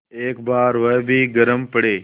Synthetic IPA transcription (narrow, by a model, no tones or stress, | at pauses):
eːkbaːɾʋɐjbʱiːɡəɾəmpəɽeː